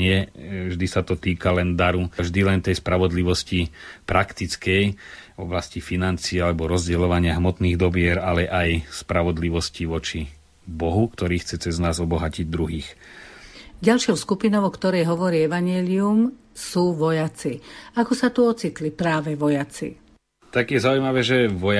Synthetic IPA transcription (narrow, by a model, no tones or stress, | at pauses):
ɲɪɛvʒd̪isat̪ɔt̪iːkalɛnd̪aɾuvʒd̪ilɛnt̪ɛjspɾaʋɔd̪liʋɔscipɾʔakt̪it͡skɛjvɔ̰blascifinant͡siːalɛbɔɾɔzɟɛlɔʋaɲɪaɦmɔt̪niːɣd̪ɔbɪɛɾalɛʔajspɾaʋɔd̪liʋɔsciʋɔt͡ʃi | bɔɦukt̪ɔɾiːxt͡sɛt͡sɛznaːzɔbɔɦaciɟd̪ɾuɦiːx | ɟalʃɔʊskupinɔʊɔkt̪ɔɾɛjɦɔʋɔɾiːɛʋaɲɪɛlium | suːʋɔjat͡siakɔsat̪uɔt͡sit̪lipɾaːʋɛʋɔjat͡sḭ | t̪aɡjɛzaujmaʋɛːʒɛʋɔja